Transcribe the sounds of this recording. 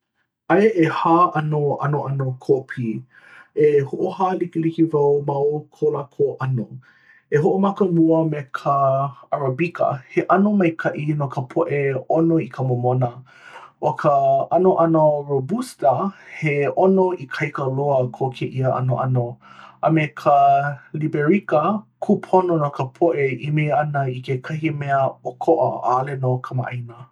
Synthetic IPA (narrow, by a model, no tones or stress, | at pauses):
ʔɐeʔehaːʔɐnoʔɐnoʔɐnokʰopʰi | ehoʔohaːlikilikivɐwmɐwkʰolakʰoʔɐno | eɦoʔomɐkəmuəmekʰəɐɾɐbikʰɐ̰heʔɐnomɐjkʰɐʔinokəpʰoʔeonoikʰəmomonɐ | okʰəɐnoʔɐnoɹobustɐheonoikʰɐjkəloəkʰokʰeʔiəʔɐ̰noʔɐnoʔɐmekʰəlibeɹikəkʰupʰononokʰəpʰoʔeimeɐnɐikekʰɐhimɛəokʰoʔɐ̰a̰ːlenokʰɐma̰ʔɐjnə